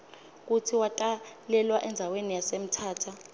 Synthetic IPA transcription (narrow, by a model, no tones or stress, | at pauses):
k̬utʰiwatʼalɛlwaʔɛnd͡zʱawenijasem̩tʰaːtʰa